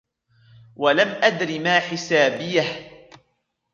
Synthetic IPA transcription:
walamʔad̪ɾimaːħɪsaːbɪjah

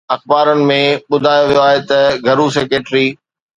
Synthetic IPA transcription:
ɐxbaːɾənɪ̆mẽɓʊd̪ʱaːjoʋijoaːɦet̪ɐɡʱɐɾus̬eːkeːʈɾiː

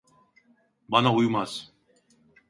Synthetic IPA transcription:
banaujumaz

